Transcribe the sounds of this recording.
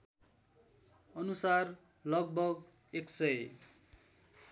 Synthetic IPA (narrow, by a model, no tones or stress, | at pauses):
ʌnusar | lʌɡ̚bʌɡ | eksʌj